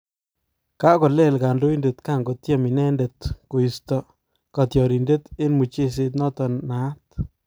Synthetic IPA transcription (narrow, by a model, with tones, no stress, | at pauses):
ka˦kɔ˨le˦˨lɡa˨ndʊ˦jnde˨t̪ka˦˨ŋɡo˨t̪ja˦mi˨nɛ˦nde˨t̪ko˨ji˨st̪ɔ˨ | ka˨t̪jɔ˨ɾi˨nde˦t̪ɪ˦nmu˨t͡ʃi˦s̬ɪ˧t̪nɔ˦t̪ɔ˨na˨˦t̪̚